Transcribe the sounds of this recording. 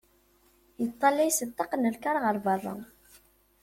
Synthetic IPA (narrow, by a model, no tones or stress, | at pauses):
jət̪ˤːɑlæjsət̪ːɑqnəlkaɾˤʁəɾˤvɑrˤːɑ̰